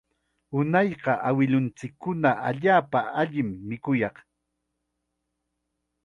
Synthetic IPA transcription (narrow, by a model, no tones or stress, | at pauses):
ʊnɑjɢɑʔawɪlʊnt͡sɪkːʊnaʔa̰ʎaːpaaʎɪmːɪkʊjɑq